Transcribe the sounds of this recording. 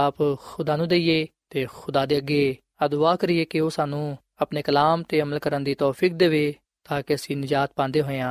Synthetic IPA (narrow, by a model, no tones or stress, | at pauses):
aːpxʊd̪aːnũːd̪eːijeːt̪eːxʊd̪aːd̪eːəɡːeː | əd̪ʊaːkəɾɪeːkɪoːsaːnũː | əpneːkəlaːmt̪eːəməlkəɾənd̪iːt̪ɔːpʰiːk̚d̪eːʋeː | t̪aːkeəsĩːnɪd͡ʒaːt̪̚pãːnd̪eːɦoːeãː